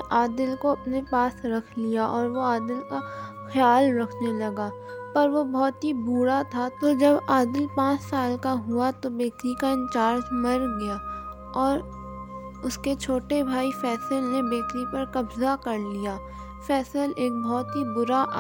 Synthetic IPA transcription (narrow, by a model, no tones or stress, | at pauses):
ʔaːd̪əlkoɐpnepaːsɾɐkʰlijaʔɔːɾʋoaːd̪əlka | xjaːlɾɐkʰnelɐɡaːpɐɾʋobɔːt̪ɦibuːɾat̪ʰat̪od͡ʒɐbaːd̪əlpãːt͡ʃsaːlkaɦʊat̪obeːkɾikaɪ̃nt͡ʃaːɾd͡ʒmɐɾɡɐjaː | ɔːɾ | ʊsket͡ʃʰoːʈebʱaːifɛːsəlnebeːkɾipɐɾkɐbzakɐɾlijaː | fɛːsəleːk̚bɔːt̪ɦibʊɾa